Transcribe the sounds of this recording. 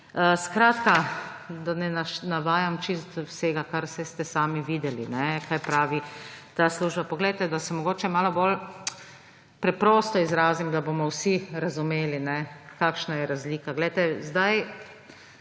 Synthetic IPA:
əskɾaːt̪kad̪anɛnaʃnaʋaːjamt͡ʃist̪wseːɡakaɾsɛst̪ɛsaːmiʋiːd̪ɛlḭnɛkajpɾaːʋit̪asluːʒbapɔɡlɛjt̪ɛd̪asɛmɔɡoːt͡ʃɛmaːlɔbol | pɾɛpɾɔːst̪ɔizɾaːzimd̪abomɔwsiɾazumeːlinɛkaːkʃnajɛɾazliːkaɡlɛjt̪ɛzd̪aj

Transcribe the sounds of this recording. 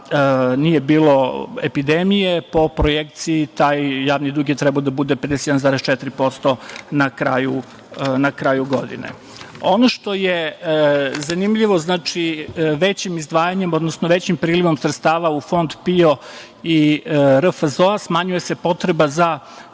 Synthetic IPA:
nije̞biːlo̞epid̪emije̞po̞pɾojekt̪siːt̪aːjjaːʋnid̪ɾuɡijet̪ɾɛbaod̪abud̪eped̪ɛse̥je̞d̪anzaːɾest͡ʃɛt̪iɾipo̞st̪o̞nakɾaju | nakɾaːjuɡo̞d̪ḭnḛ | ono̞ʃt̪o̞je̞ | zanimʎiʋo̞znaːt͡ʂiʋet͡ɕimizd̪ʋaːjaɲe̞mo̞d̪nosnoʋe̞t͡ɕimpɾiːliʋo̞msɾet̪st̪aːʋaufo̞nd̪pio | iɾəfəzoasmaːɲuje̞se̞po̞t̪ɾe̞baza

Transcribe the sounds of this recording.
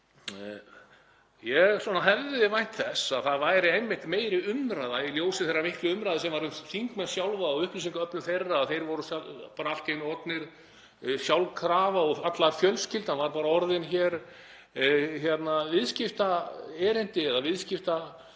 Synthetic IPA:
jɛswɔːnaɦɛvðɪvajn̥t̪θɛsaðθaðvajɾɪemːɪht̪meːjɾɪʏmɾajðailjoːwsɪθɛrːamɪhklʏʏmɾajðɪsɛmvaɾʏmθiŋkmɛnsjawlvaːʏhplis̬ĩŋkaœpnʏmθejrːaːðθejɾvɔɾʏsapaːɾaalt̪ejnʏɔt̪nɪɾ̥ | sjawlkʰɾaːvaɔɣat̪lafjœlscɪlt̪hanvaɾpaːɾaɔɾðɪnçɛɾ | çjɛt̪navɪðscɪft̪aɛːɾɪn̥t̪ɪɛðavɪðscɪft̪a

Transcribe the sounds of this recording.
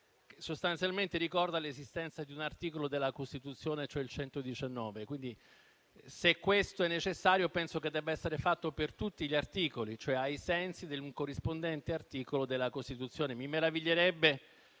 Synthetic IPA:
ksost̪ant̪sjalment̪eɾikɔrd̪alezist̪ɛnt̪sad̪iunart̪iːkolod̪elːakost̪it̪ut̪sːjoːnet͡ʃoɛilt͡ʃɛnt̪od̪it͡ʃanːɔːvekwind̪i | sekːwest̪oɛnːet͡ʃesːaːɾjopɛnsoked̪ːɛbːaɛsːeɾefat̪ːopert̪ut̪ːiʎiart̪iːkolit͡ʃoɛajsɛnsid̪eluŋkorːispond̪ɛnt̪eart̪iːkolod̪elːakost̪it̪ut̪sjoːnemimeɾaviʎːeɾɛbːe

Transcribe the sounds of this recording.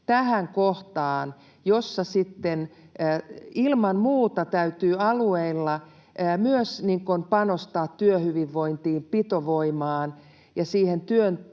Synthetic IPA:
t̪æhæŋkoht̪ɑːn | josːɑsit̪ːenː | ilmɑmmuːt̪ɑt̪æyt̪yːɑlueilːɑ | myøsniːŋkonpɑnost̪ɑːt̪tyøhyʋiʋːoint̪iːmpit̪oʋoimɑːn | jɑsiːhent̪yøn

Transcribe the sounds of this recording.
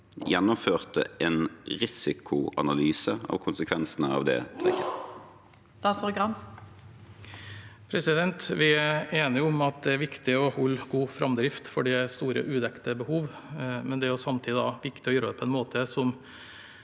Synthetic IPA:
jɛnːʊmføːʁt̪əʔeːnʁɪsɪkʰʊɑ̰nɑlyːsəɑ̰ʋkʰʊnsəkʰʋɛnsənəɑ̰ʋd̪ɛ̰ːt̪ʰɛkːə | st̪ɑːt̪spɾʊɡʁɑm | pʰɾɛsɪd̪ɛnt̪ʋɪæeːnəɪɾʊʊmɑt̪̚d̪ɛæɾʋɪkt̪ɪɔhɔlːɡuːfɾɑmd̪ɾɪft̪fɔɖɛst̪uːɾə̰ʔʉːd̪ɛkt̪əbəhuːʋ | mɛnd̪ɛæɾjʊsɑmt̪ʰiːd̪ɪd̪ɑʋɪkt̪ɪɔjøːɾəd̪ɛpʰɔɛnmoːt̪ʰəsɔm

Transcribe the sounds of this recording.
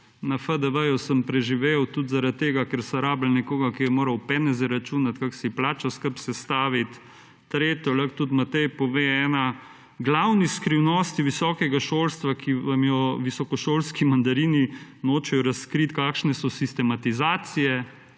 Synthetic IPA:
nɐfəd̪əʋəjusəmpɾɛʒiʋewt̪ut̪zaɾat̪̚t̪ːeːɡakɛɾsɐɾaːbəl̩nɛkoːɡakijɛmoːɾɐwpɛnɛzɛɾat͡ʃuːnat̪kaksiplaːt͡ʃaskəpsɛst̪aːʋit̪ː | ɾeːt̪jɔlɐkt̪ut̪mat̪ɛjpɔʋeːɛːna | ɡlawniskɾiwnɔst̪iʋisɔːkɛɡaʃoːlst̪ʋakʰiʋamjɔʋisɔkɔʃoːlskimɐnd̪ɐɾiːninoːt͡ʃɛjɔɾɐskɾit̪kaːkʃnɛsɔsist̪ɛmat̪izaːt̪sijɛ

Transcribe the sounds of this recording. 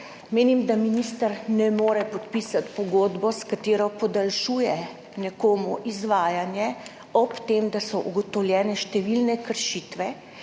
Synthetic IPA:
meːnimd̪aminist̪əɾnɛmoːɾɛpɔt̪piːsat̪pɔɡoːd̪bɔskat̪eːɾɔpɔd̪alʃuːjɛ | nɛkoːmuʔizʋaːjanjɛ | ɔpt̪emd̪asɔʔuɡɔt̪ɔwljɛːnɛʃt̪ɛʋilnɛkəɾʃiːt̪ʋɛ

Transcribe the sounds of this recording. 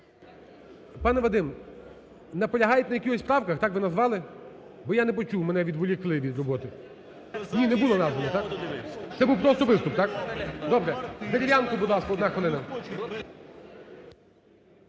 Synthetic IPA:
pɑnɛʋɐd̪ɪm | nɐpɔlʲɐɦɑjɛtʲnɐjɐkɪxɔsʲpɾɑwkɐxt̪ɑkʋɪnɐzʋɑlˠɪ | bɔjanɛp̬ɔt͡ʃuwmɛnɛʋʲid̪ʋʊlʲiklˠɪʋʲid̪rɔbɔt̪ɪ | nʲinɛbulˠɔnɑzʋɐnɔt̪ɑkt̪sɛbuwpɾɔst̪ɔʋɪst̪ʊp̚t̪ɑkd̪ɔbɾɛseɾʲiʋʲjankʊbʊd̪lˠɑskɔd̪nɑxɔlˠɪnɐ

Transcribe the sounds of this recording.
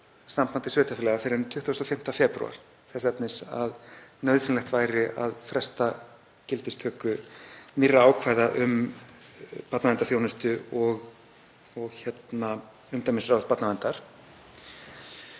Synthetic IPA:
sampʰant̪ɪsʏːt̪afɪlɛɣafɪɾɪɾɛnt̪ʰʏht̪ːust̪ɔfɪm̥t̪afɛːpɾṵa̰ɾ̥ | θɛsɛpnɪsa̰ðnœɥðsɪnlɛxt̪vajɾɪʔa̰ðfɾɛst̪a | cɪlt̪ɪst̪ʰœːkʏnɪrːaaːwkʰvajðaʔʏm | pat̪navɛnt̪aθjoːwnʏst̪ʏɔɣ | ɔɣçjɛt̪na | ʏmt̪amɪnsɾawθpat̪navɛnt̪aɾ̥

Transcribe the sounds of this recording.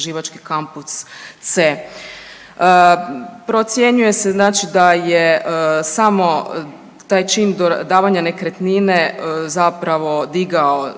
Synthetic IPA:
ʒiʋat͡ʃkikampust̪se | əpɾot̪sje̞ɲuje̞seznaːt͡ʃid̪ajesamo̞ | t̪aːjt͡ʃiːnd̪d̪aːʋaɲane̞kɾet̪ninezapɾaʋo̞d̪iɡao

